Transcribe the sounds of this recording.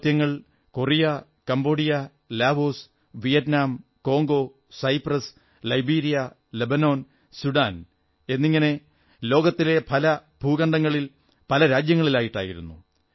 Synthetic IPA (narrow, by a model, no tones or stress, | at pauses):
t̪jɐŋːɐɭ | ko̞rijɐ | kɐmbo̞ːɽijɐ | laːbo̞ːs | ʋijɐtnaːm | ko̞ːŋɡo̞ː | sɐjprɐs | lɐjbiːɾijɐ | lebɐno̞ːn | suɖaːn | e̞nːiŋːɐne̞ | lo̞ːɡɐt̪ːile̞pʰɐlɐbʱuːɣɐɳɖɐŋːɐɭil | pɐlɐɾaːd͡ʑjɐŋːɐɭilaːjiʈːa̰ːjiɾṵnːṵ